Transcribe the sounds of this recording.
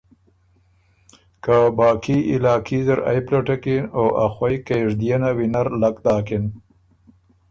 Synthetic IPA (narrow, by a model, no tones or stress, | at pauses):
kabɑːkiɪlɑːkizəɾa̰jplaʈakinoʔaxwajkeʐd̪ijanawinaɾlakd̪ɑːkin